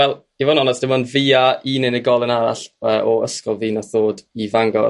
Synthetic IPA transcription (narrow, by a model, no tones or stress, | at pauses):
wɛl̥ˠ | ivɔnɔnasd̥ɪmɔnviaiːnɪnəɡɔlˠənaɾa̰ɬəːʔɔəskɔlˠviːnaθoːdivaŋɡɔ̰r